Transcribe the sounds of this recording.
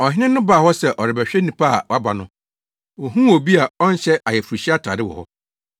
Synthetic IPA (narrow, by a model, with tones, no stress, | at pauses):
ɔ˨hɪ̃˦nɪ̃˦nʊ̃˦baː˨hɔ˦sɛ˨ʔɔ˨ɾɪ˨bæ˨ɕᶣɛ˦nĩ˨pʰa˦a̰˨wa˦ba˨nʊ̃˦ | wɔ˨ɦũ˦o˨bi˦a˨ɔ˦n˦ɕɛ˦ʔa˨jɛ˨fu˨ɾu˨ɕi˦a˦tʰa̰˨dɪ˦wɔ̰˨hɔ̰˦